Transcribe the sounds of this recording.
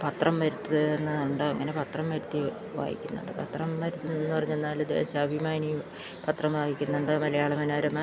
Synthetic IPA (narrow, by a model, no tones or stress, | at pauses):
pɐt̪rɐmʋɐɾut̪ːɨenːɐuɳɖoɐ̰ŋːɐne̞pɐt̪rɐmʋɐɾut̪ːi | ʋa̰ːjḭkʲːunːṵɳɖɨ̰pɐt̪rɐmʋɐɾit̪ːuenːɨpɐrɐɲːuenːaːld̪e̞̰ːɕɐːbʱimaːni | pɐt̪rɐmʋaːjikʲːunːuɳɖɨmɐlɐjaːɭɐmɐnaːɾɐma